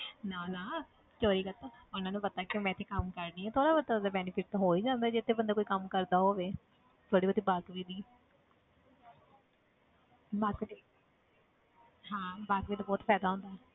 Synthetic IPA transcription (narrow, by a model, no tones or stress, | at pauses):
naːnaː | koːɾiːkət̪aənãːnũːpət̪aːkjõːmɛ̃ːɪt̪ʰːeːkəmkəɾnĩːɛ̃ːt̪ʰoːɽaːbəaːbənd̪aːbɛːnɪpʰɪʈ̚t̪ãːɦoːiːd͡ʒãːnd̪aːd͡ʒɪt̪ʰːeːbənd̪aːkoːiːkəmkəɾd̪aːɦoːʋeː | t̪ʰoːɽiːbəd̪iːbaːkʋiːd̪iː | baki | ɦãːbaːkʋiːd̪aːbɔːt̪pʰɛːd̪aːõːnd̪aɛ